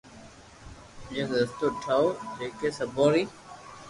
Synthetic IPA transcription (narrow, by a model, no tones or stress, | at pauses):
d͡ʒeːkd̪əst̪oːʈʰaːoːd͡ʒeːkeːsəboːɾiː